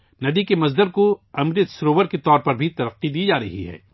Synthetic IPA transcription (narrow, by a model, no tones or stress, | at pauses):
nɐd̪ikemɐzd̪əɾkoɐmɾɪt̪sɾoːʋəɾket̪ɔːɾpɐɾbʱit̪ɐɾɐqːid̪iːd͡ʒaːɾɐɦiɦɛ̰ː